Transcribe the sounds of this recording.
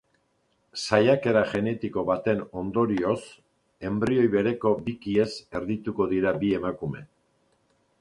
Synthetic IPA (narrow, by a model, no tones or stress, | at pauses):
sajake̞ɾaʝe̞ne̞t̪iko̞βat̪e̞no̞nd̪o̞ɾio̞s | e̞mbɾio̞jβe̞ɾe̞ko̞bikie̞se̞ɾðit̪uko̞ðiɾabie̞makume̞